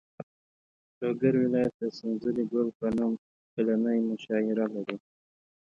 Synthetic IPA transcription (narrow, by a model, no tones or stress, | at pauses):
loɡaɾwɪlɑjat̪̚d̪asɪnzəliɡolpənɑm | pɪlanəjmʊʃɑɪɾalaɾi